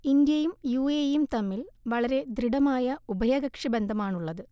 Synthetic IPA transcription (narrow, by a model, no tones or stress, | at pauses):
ind̪jɐjumjuejumt̪ɐmːilʋɐɭɐɾe̞d̪ɾiɽɐmaːjɐubɐjɐɡɐkʂibe̞nd̪ʱɐmaːɳuɭːɐðɨ